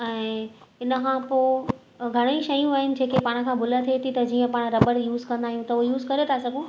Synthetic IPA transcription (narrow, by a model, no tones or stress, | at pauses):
ɛ̃ːɪnə̆kʰãːpoː | ɡʱɐɽ̃əĩʃɐjũaːɦɪnɪ̆d͡ʑeːkepaːɽ̃̆kʰãːbʱʊlət̪ʰiet̪ʰit̪ɐd͡ʑiːə̃paːɽ̃ɾɐbəɽjuːzkɐ̃nd̪aːɦijũt̪ɐʊɦejuːzkɐɾet̪ʰasɐɡʱõ